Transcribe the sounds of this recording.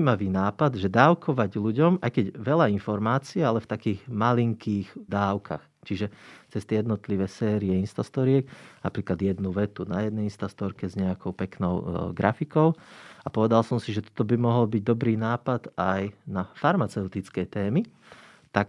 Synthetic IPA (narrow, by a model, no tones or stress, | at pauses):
maʋiːnaːpad̪ʒɛd̪aːʊkʰɔʋaɟluɟɔmʔa̰jkɛɟʋɛʎainfɔɾmaːt͡siɛalɛft̪akiːɣmaliŋkʰiːɣd̪aːʊkʰa̰xt͡ʃiʒɛt͡sɛst̪ɛjɛd̪nɔt̪liʋɛsɛːɾiɛinst̪ast̪ɔɾiɛknapɾiːklad̪jɛd̪nuʋɛt̪unajɛd̪̚nɛjinst̪ast̪ɔɾkɛzɲɛakɔʊpɛknɔʊɡɾafikɔʊapɔʋɛd̪alsɔmsiʒɛt̪ɔ̥t̪ɔbimɔɦɔlbiɟ̚d̪ɔbɾiːnaːpad̪ajnafaɾmat͡sɛʊt̪it͡skɛjt̪ɛːmi | t̪ak